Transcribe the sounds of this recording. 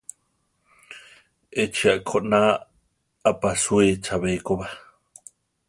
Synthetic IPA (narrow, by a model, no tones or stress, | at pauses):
ʔet͡ʃiaʔkʰoʔna | apasuet͡ʃaβejkoβa